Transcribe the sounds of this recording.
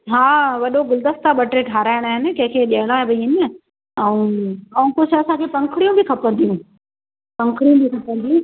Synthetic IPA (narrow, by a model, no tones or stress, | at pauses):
ɦaːʋɐɗoɡʊld̪əst̪aɓɐʈɾeʈʰaːɾaːɪɽ̃aːɦɪnɪ̆kɐ̃ɦɪ̃kʰeːɗiɐɦəɽ̃aːɦebinə | ɐũɐũkʊt͡ʃʰɐsãkʰepɐ̃ŋkʰɽijũbikʰɐpə̃nd̪ʱijũː | pɐ̃ŋkʰɽijũbʱikʰɐpə̃nd̪ʱiũ